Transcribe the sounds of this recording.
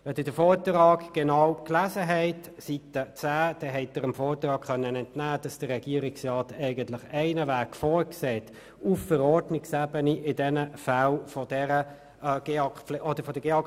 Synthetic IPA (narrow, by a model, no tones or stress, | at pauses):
ʋɛd̪ɪdəfɔːɾtrɑːkɡ̥ɛnɑwklæzəɦɛɪtsit̪ət͡sæːd̥ɛɦɛɪtəɾɪmfɔːɾt̪rɑːkχœnːənɛntnæːd̥ɑsd̥əɾrɛɡ̥iəɾɪksrɑːtɛɪɡəntlɪχɛɪnəvæːkfɔːɾksɛːt | uffəɾɔdnɪksæbəniʔɪdɛnəfælfɔd̥ɛɾə | ɡ̥eɑklʔɔdəɾfɔdəɡ̥eɑ